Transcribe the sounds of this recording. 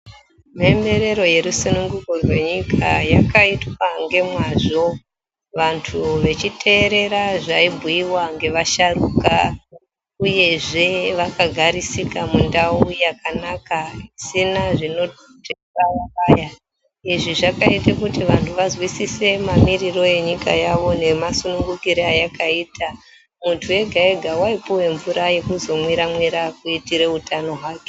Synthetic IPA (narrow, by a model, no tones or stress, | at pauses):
membe̞ɾe̞ɾo̞je̞ɾusinuŋɡukorwe̞ɲikʰajakaitwaŋɡe̞mwaʐo̞ | ʋantʰuʋe̞t͡ʃitʰe̞ːɾe̞ɾaʐaibʱuiwaŋɡe̞ʋaʃaruka | uje̞ʐe̞ʋakaɡʱaɾisikamundaujakanakaisinaʐino̞ | de | ajakaːja | iʐiʐakaitakutiʋantʰuʋazwisise̞mamiriro̞e̞ɲikajaʋo̞ne̞masunuŋɡukiɾeajakaiːtʰa | muntʰue̞ɡʱaeɡʱawaipuwe̞ɱvuɾaje̞kuzo̞mwiɾamwiɾakuitiɾe̞utano̞ɦwaːke̥